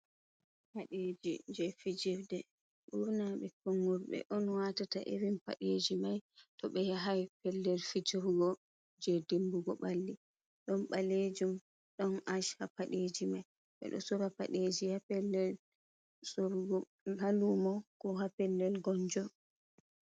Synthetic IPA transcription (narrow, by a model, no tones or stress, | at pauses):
haɗed͡ʒid͡ʒɛfid͡ʒɛfdɛ | ɓunaɓɛkɔŋɡɔɾɓɛ̰ʔɔnwatataʔeɾimpa̰ɗed͡ʒimajtɔɓɛjaɦajpɛlːɛlfid͡ʒɔɾɡɔ | d͡ʒedimbuɡɔɓalːi | ɗɔnɓalːed͡ʒum | ɗɔnʔaʃhapaɗed͡ʒimaj | ɓɛ̰ɗɔ̰sɔɾapa̰ɗed͡ʒihapɛldɛl | sɔ | halumɔkɔɦapɛldɛlɡɔnd͡ʒɔ